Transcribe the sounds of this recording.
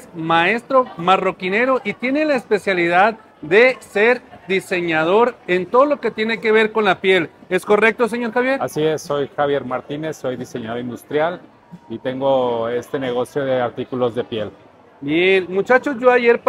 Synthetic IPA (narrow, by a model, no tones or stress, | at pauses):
smae̞st̪ɾo̞maro̞kine̞ɾo̞ʔit̪je̞ne̞laespe̞sjalið̞að | ðe̞seɾd̪ise̞ɲað̞o̞ɾent̪o̞ðolo̞ke̞t̪jene̞ke̞βe̞ɾko̞nlapje̞le̞sko̞re̞k̚t̪os̬eɲo̞ɾxaβjeɾasiesːo̞jxaβje̞ɾmaɾt̪ine̞sːo̞jðise̞ɲaðo̞ɾind̪ust̪ɾjal | it̪e̞ŋɡo̞e̞st̪ene̞ɣ̞o̞sjo̞ðeaɾt̪ikulo̞zðe̞pjel | benmut͡ʃat͡ʃozʝoaʝe̞ɾp